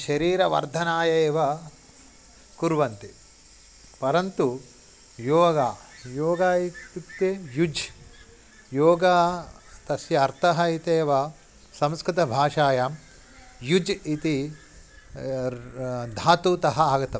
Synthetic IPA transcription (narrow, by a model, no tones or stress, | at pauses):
ʃɐɾiːɾɐʋɐ̰ɾd̪ʱɐnaːjɐeːʋɐ | kuɾʋɐnt̪i | pɐɾɐnt̪u | joːɡaːjoːɡaːit̪it̪eːjud͡ʒ | joːɡaː | t̪ɐsjɐɐɾt̪ʰɐɦɐit̪eːʋɐ | sɐ̃mskɾɪt̪ɐbʱaːʂaːjaːm | jud͡ʒit̪i | d̪ʱaːt̪uːt̪ɐɦɐaːɡɐt̪ɐ